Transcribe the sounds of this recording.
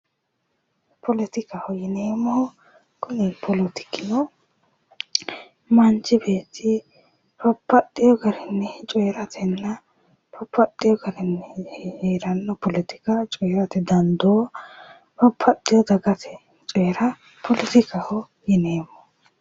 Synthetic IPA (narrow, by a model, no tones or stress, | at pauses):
pʰɔlɪt̪ɪkɐhɔjɪneːmɔhɔ | kʰʊnɪpʰɔlɔt̪ɪ̥kːɪnɔ | mɐnt͡ʃːɪbeːt̪ːɪ | pɐpʰːɐt̪ʼːɪjɔɡɐɾɛnːɛt͡ʃʼɔjɾɐt̪ʰɛnːɐ | pʰɐpʰːɐt̪ʼːɪjɔɡɐɾɪnːɛeːɾɐnːɔpɔlɪt̪ɪ̥kɐt͡ʃʼɔjɾɐt̪ɛd̪ɐnd̪oː | pɐpʰːɐt̪ʼːɪjɔd̪ɐɡɐt̪ʰɛ | t͡ʃʼɔjɾɐ | pʰɔlɪt̪ɪkɐhɔ | jɪneːmɔ